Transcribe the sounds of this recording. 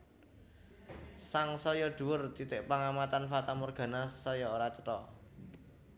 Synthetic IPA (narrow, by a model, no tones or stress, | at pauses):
saŋsɔjɔɖ̪̥ṳwʊrt̪it̪ɪʔpaŋamat̪anfat̪amɔrɡ̥a̤nasɔjɔoɾat͡ʃə̥t̪ɔ